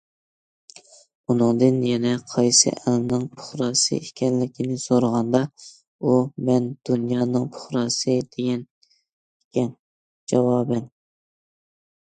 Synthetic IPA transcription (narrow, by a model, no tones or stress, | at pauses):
unɨŋd̪ɨnjɛnɛqʰɑjsɨ̰ʔɛlnɨŋpʰʊ̥χɾɑsɨ̰ekʲɛnlɪkʲinɪsoɾəʁɑnd̪ɑ | umɛnd̪̥unjɑːnɨŋpʰʊ̥χɾɑːsɨd̪̥eɡʲɛn | ekʲʰɛn | d͡ʒɑwɑːbɛn